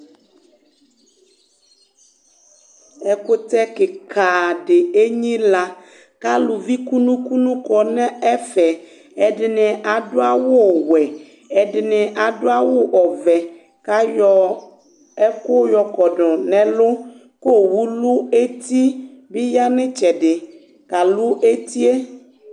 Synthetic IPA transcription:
ɛ˦ko˦t̪ɛ˦ke˨kʰa˨ɖɪ˨e˦ɲĩ˦la˦ | ka˦lu˨vi˦ku˦nũ˦ku˦nũ˦kɔ˨nɛ̃˦ɛ˦fɛ˨ | ɛ˨ɖɪ˨nɛ̃˨ʔa˨ɖo˦a˦wo˦˨wɛ˨ | ɛ˨ɖɪ˨nɛ̃˨ʔa˨do˦a˦wo˦ʔɔ˨vɛ˨ | ka˦jɔ˦ | ɛ˦kʊ˦jɔ˨kɔ˨ɖɔ˨nɛ̃˨lʊ˦ | ko˦wu˦lu˦e˦t̪i˦bi˦ja˦nɛ̃˦t͡ʃɛ˨ɖɪ˨ | ka˨lu˦e˦t̪i˦e˦

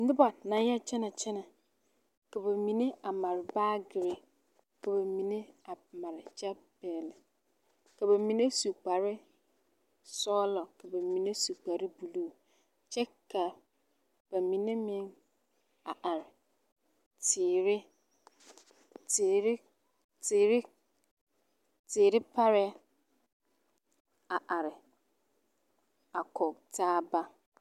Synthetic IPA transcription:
n̩˦dʊ˦ba˨nã˨˦ja˦˨t͡ʃʰɛ˦nã˨t͡ʃʰɛ˦nã˨ | ka˨ba˨mĩ˨nɪ̃˦a˨ma˨ɾbaː˦ɡɪ˨ɾɪ˨ | ka˨ba˨mĩ˨nɪ̃˦a˨mã˨ɾt͡ʃa˦bɛ˨l | ka˨ba˨mĩ˨nẽ˦su˨k͡pa˨ɾɪ˦ | sɔ˦lɔ˨ka˨ba˨mĩ˨nẽ˦su˨k͡pa˨ɾɪ˦bu˨lu˦˨ | t͡ʃɛ˦ka˨ | b̥æ˨mĩ˨nẽ˦mɪ̃˦n | a˨ʔa˨ɾɪ˨ | tʰɪː˨ɾɪ˦ | tːɾɪ˦ | tɪː˨ɾɪ˦ | tʰɪ˨ɾɪ˦pʰa˦ɾɪ˦ | a˨ʔa˨ɾɪ˨ | a˨kʰɔ˨tʰaː˦ba˦

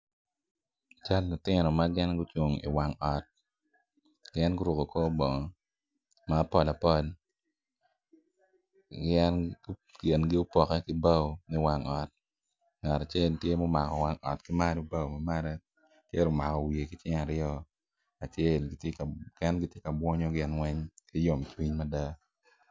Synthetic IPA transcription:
a˨t͡ʃa˦lːʊ˨tɪ˦nɔ˨ma˦ɡɛ˦nɡʊ˦t͡ʃwo˨ŋḭ˨wa˦ŋɔ˨t̚ | ɡ̥ɛ˦nɡʊ˦ɾu˨ko˨ko˦bo˨ŋɔ˨ | maː˦pɔ˦˨la˨pɔ˦l | ɡɛ˦n˦ke˨nɡɪ˦ʊ˦pɔ˨kɛ˦kɪ˦ba˦wmɛ˦wa˦ŋɔ˨t̚ | ŋa˨ɾa˨t͡ʃe˦˨ltje˦mɔ˦ma˨kɔ˨wa˦ŋɔ̰˨tkɪ˦ma˦no˦ba˦wmɐ˨ma˦ɾɛ˦ | te˦ɾo˦ma˨kɔ˨wje˨kɪ˦t͡ʃɪ˦ŋa˨ɾɪ˦ɔ˦ | a˨t͡ʃe˦lɡtkkɛ˦nɡɪ˦tje˦kɐ˨bwɔ˦ɲo˦ɡɪ˦nwɛ˦ɲki˦jo˨mt͡ʃwi˦ɲmɐ˦da˦

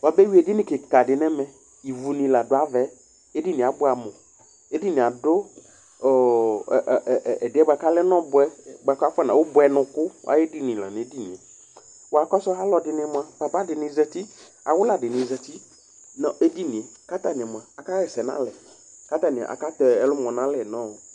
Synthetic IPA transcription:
wa˨be˦wi˦e˨dɪ˦nɪ̃˨kɪ˨ka˨dɪ˨nɛ̃˦mɛ̃˨ | i˨vu˨nĩ˨la˨dʊ˨a˨vɛ˨˦ | e˦di˦nɪ̃˨a˨bʊ˦a˨mʊ̃˨ | e˦di˦nɪ̃˨a˨dʊ˦˨ | ɛ˨dɪ˨˦ɛ˦ba˨ka˦lɛ˦nɔ̃˦bʊ˨ɛ˦ba˨ka˦fɛ˦nã˨wʊ˦bʊ˨ɛ˨nʊ̃˨kʊ˦wa̰˨je˦dɪ˦nɪ̃˨la̰˨n˨e˦di˦nɪ̃˨ɛ˨ | wa˨kɔ˦sɔ˦ɦa˦lɔ˨dɪ˨nɪ˨mʊ̃˨a˨ba˨ba˦dɪ˨nɪ˨zɛ˨ti˦ | a˨wʊ˦la˨dɪ˨nɪ̃˨zɛ˨t̪i˦ | nɔ˨e˦di˦nɪ̃˨ɛ˨ka˦t̪a˦nɪ̃˨ɛ˨m˨a˨a˨ka˦jɛ˨sɛ˨nã̰˦lɛ˨ | ka˦t̪a˦˨nɪ̰̃˨ʔa̰˨ka˦t̪ɔ˨ɛ˦lʊ˦m˨ɔ̃˨nã˦lɛ˨nɔ̃˦˨

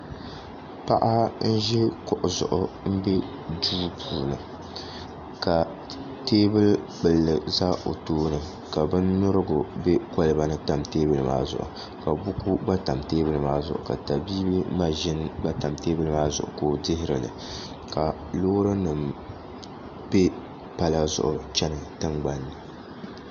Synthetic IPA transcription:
pa˦ʔa˦n̩˦ʒɛ˦kʊ˨ʔʊ˨zʊ̰˨ʔʊ˨m̩˦bɛ˦ | duː˦pʰuː˨nɨ˨ | ka˨ | teː˦bɨ˦lk͡pɨ˨lːɨ˨za˦ʔo˨toː˦nɨ˨ | ka˨bɨ˦nːʊ˦ɾɨ˦ɡʊ˨bɛ˦ko˦lɨ˦ba˨nɨ˦ta˨mteː˦bɨ˦lɨ˨ma̰ː˦zʊ̰˨ʔʊ̰˨ | ka˨bʊ˦ku˦ɡ͡ba˦ta˨mteː˦bɨ˦lɨ˨maː˦zʊ̰˨ʔʊ̰˨ka̰˨ta˨biː˦bi˦ma˦ʒɪ˦nɡ͡ba˦ta˨mteː˦bɨ˦lɨ˦maː˦zʊ˨ʔʊ̰˨koː˦dɪ˦ɦɪ˦ɾɨ˨lɨ̰˨ | ka˨ | loː˦ɾɨ˦nɨ˨m | b̥e˦ | pa˦la˦zʊ̰˨ʔʊ˨t͡ʃɛ˦nɨ˨tɨ˦ŋɡ͡ba˦nːɨ˨

